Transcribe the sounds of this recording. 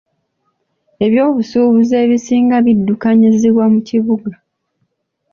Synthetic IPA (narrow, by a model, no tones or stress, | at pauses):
e̞βjo̞ːβusuːβuze̞ːβisiːŋɡaβidːukaɲiziβwamuciβuɡa